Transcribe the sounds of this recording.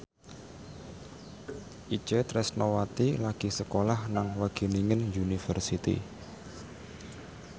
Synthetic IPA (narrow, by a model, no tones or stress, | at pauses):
ʔit͡ʃət̪ɾɛsnowat̪ilaɡ̥i̤səkolahnaŋwaɡ̥e̤niŋənd͡ʒunifərsit̪ḭ